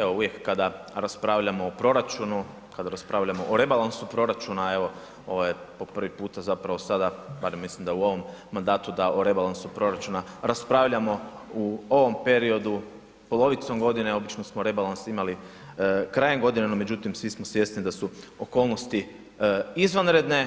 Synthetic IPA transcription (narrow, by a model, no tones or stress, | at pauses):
eʋo̞uʋje̞kːad̪a | ɾaspɾaʋʎamo̞ːpɾo̞ɾat͡ʃunu | kad̪aɾaspɾaːʋʎʲamo̞ʔoɾe̞balˠansupɾo̞ɾat͡ʃunae̞ʋo̞ | o̞ʋojepo̞pr̩ʋipuːt̪azapɾaʋo̞sad̪abaɾemːislimd̪auo̞ʋo̞mːand̪aːt̪ud̪aʔoɾe̞balˠansupɾo̞ɾat͡ʃunaɾaspɾaʋʎamo̞ | uo̞ʋo̞mpe̞ɾio̞d̪u | po̞lˠo̞ʋit̪so̞mɡo̞d̪ineo̞bit͡ʃno̞smoɾe̞balˠansimali | kɾajemɡo̞d̪inenome̞d͡ʒut̪imsʋismosʋje̞st̪nid̪asuoko̞ːlˠno̞st̪i | izʋanɾe̞d̪ne̞